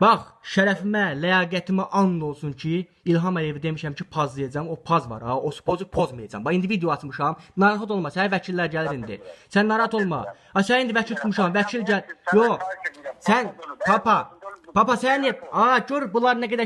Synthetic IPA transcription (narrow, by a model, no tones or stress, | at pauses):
b̥ɑχʃæɾæfimælæjɑːɡæt̪ʰimæʔɑnlˠo̞lˠsunt͡ʃʰiː | lɦɑmælijevid̪e̞miʃæmcʰipʰɑzd̪ɯjɑd͡ʒɑmopʰɑzvɑ̰ɾɑosu̥pʰozupʰo̞zmɯjɑd͡ʒɑ̰mbɑind̪ivid̪ijoɑt͡ʃʰmɯʃɑmnɑɾɑːxɑt̪o̞lˠmɑsænævæt͡ʃʰilːæɾɟæliɾind̪ḭsænːɑɾɑhɑt̪o̞lˠmɑ̰ | ɑsænind̪ivæt͡ʃʰilt̪ʰut̪ʰmuʃɑmvæt͡ʃʰilɟæljoχsænpʰɑpʰɑpʰɑpɑsænneɑɟøɾbulˠɑɾnæɡæd̪æ